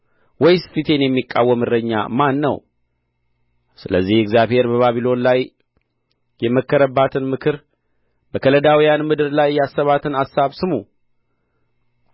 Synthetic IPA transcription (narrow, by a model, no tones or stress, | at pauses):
wɔjsfit̪ʰe̞njɛmːikʼːa̰wːəmɨɾəɲːa̰manːə̰w | sɨləzːihɪɡzjaβhe̞ɾbəβaβilo̞nlaj | jɛməkːəɾəbːat̪ʰɨnmɨkʰɨɾ | bəkʰələd̪awijanmɨd̪ɨɾlajːasːəβat̪ʰɨnasːaβsɨmu